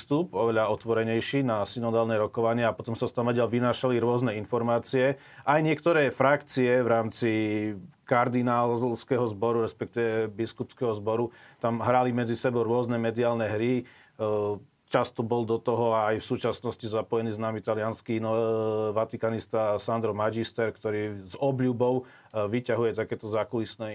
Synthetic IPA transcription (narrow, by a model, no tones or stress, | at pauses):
st̪upɔʋɛʎaɔt̪ʋɔɾɛɲɛjʃinasinɔd̪aːlnɛɾɔkɔʋaɲɪɛapɔt̪ɔmsast̪amʋɛɟɛlʋinaːʃaliɾʊɔznɛinfɔɾmaːt͡siɛ | ʔajɲɪɛkt̪ɔɾɛːfɾakt͡siɛʋɾaːmt͡si | kaɾd̪inaːlskɛɦɔzbɔɾuɾɛspɛk̚t̪iʋɛbiskupskɛɦɔzbɔɾut̪amɦɾalimɛd͡zisɛbɔʊɾʊɔznɛmɛd̪iaːlnɛɦɾi | t͡ʃast̪ɔbɔld̪ɔt̪ɔɦɔaːjfsuːt͡ʃasnɔscizapɔjɛniːznamit̪alɪanskinɔʋat̪ikanist̪asand̪ɾɔmad͡ʒist̪ɛɾkt̪ɔɾiːzɔbʎubɔʊ | ʋicaɦujɛt̪akɛːt̪ɔzakulisnɛː